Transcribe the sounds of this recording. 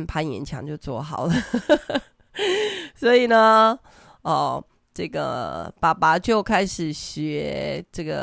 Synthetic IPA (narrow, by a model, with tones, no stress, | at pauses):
npʰa˥njɛ̰˧˥nt͡ɕʰjɑ̰˧˥ŋt͡ɕjo˥˧ʊt͡swɔ˥˩xɑ˨˩˦ʊlə˦ | swɔ˧˥i˨˩nə˩ | ə˧ | ʈ͡ʂə˥˩ɡə̰˨˩pa˨˩pa˨˧˥t͡ɕjo˥˩ʊkʰa˥ɪʂɻ̩˨˩ɕɥɛ˨˧˦ʈ͡ʂə˥˩ɡə˩